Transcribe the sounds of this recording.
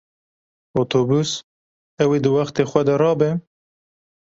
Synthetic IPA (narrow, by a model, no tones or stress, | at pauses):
ot̪ʰoːbus | ɛwed̪ɨwaxt̪exʷɛd̪ɐɾɑːbɛ